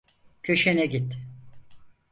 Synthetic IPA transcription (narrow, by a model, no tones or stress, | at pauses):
cʰøʃenɛɟit̪